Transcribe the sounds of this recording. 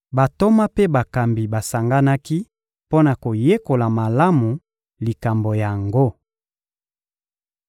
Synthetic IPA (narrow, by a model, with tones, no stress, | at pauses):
ba˨to˦ma˦pe˦ba˨ka˨mbi˨ba˨sa˨ŋɡa˦na˦ki˦ | po˦na˨ko˨je˦ko˨la˨ma˨la˦mu˨ | li˨ka˨mbo˨ja˨ŋɡo˦